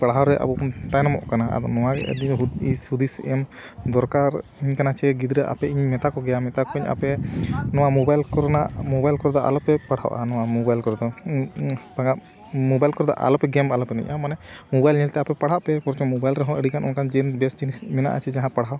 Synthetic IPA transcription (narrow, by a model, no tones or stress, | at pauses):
paɽɦawɾɛʔa̰bɔkmt̪ajnamɔ̰ʔkana̰d̪ɔnɔwaɡɛɛ̰d̪iɦuisud̪isɛm | d̪ɔɾkaɾiɲkanat͡ʃʰɛɡid̪ɾɛʔa̰pɛiɲiɲmɛt̪akɔɡɛjamɛt̪akɔiɲa̰pɛnɔwamɔbajlkɔɾnaʔmɔbajlkɔɾɔd̪ɔʔa̰lɔpɛpaɽ̤a̰wʔa̰nɔwamɔbajlkɔɾd̪ɔ | t̪aŋɡa | mɔbajlkɔɾd̪ɔ̰ʔa̰lɔpɛɡɛmalɔpɛnɛ̰ɲamanɛmɔbajlɲilt̪ɛapɛpaɽɦaʔpɛpɔɾt͡ʃɔmɔbajlɾɛɦɔ̃əɽikanʔɔnkand͡ʒɛnbɛsd͡ʒinismɛna̰ʔa̰t͡ʃʰɛd͡ʒaɦãpaɽɦaw